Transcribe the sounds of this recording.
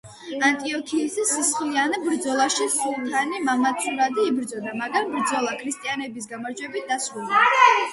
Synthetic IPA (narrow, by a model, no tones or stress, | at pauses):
ant̪ʼiɔkʰiːsisisχlianɛbɾd̪zɔlˠaʃisulˠk̪ʰanimamat̪sʰuɾad̪iːbɾd̪zɔd̪amaɡɾambɾd̪zɔlˠakʰɾist̪ʼianɛbisɡamaɾd͡ʒwɛbit̪̚d̪asɾulˠd̪a